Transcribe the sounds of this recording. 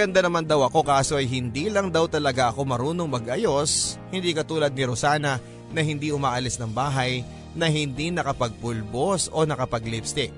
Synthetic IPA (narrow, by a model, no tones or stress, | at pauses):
ɐɡɐnd̪anɐmand̪ɐwʔɐko̞kaːso̞ʔɐjɦɪnd̪iːlɐŋd̪ɐwt̪ɐlɐɡaʔɐko̞mɐɾuːno̞ŋmɐɡʔɐjo̞shɪnd̪ikɐt̪uːlɐd̪̚nɪɾosaːnɐ | nɐɦɪnd̪ihʊmaːʔɐlɪsnɐŋbaːɦɐj | nɐɦɪnd̪inɐkɐpɐɡ̚pʊlbo̞so̞nɐkɐpɐɡ̚libst̪ɪ